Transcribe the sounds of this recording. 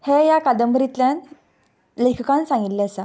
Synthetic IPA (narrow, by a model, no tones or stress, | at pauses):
hejakad̪əmbɾit̪ljan | ləjkʰkãnsãŋɡit̪leasa